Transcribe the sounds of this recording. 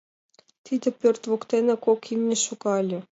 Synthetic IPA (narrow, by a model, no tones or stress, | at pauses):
t̪ʲid̪ʲɘ̆pʲørʲt̪ʲvokt̪enĕkokimnʲĕʃukɑlʲɘ̆